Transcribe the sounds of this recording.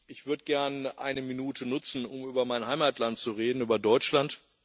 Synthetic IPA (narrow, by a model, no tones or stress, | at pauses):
ʔɪçv̥ʏɐdəɡɛɐnʔa̰ɪnəminuːtʰənʊt͡sn̩ʊmyːbɐmaɪnɦaɪmaːtlantt͡suʁeːdn̩yːbɐdɔʏt͡ʃlant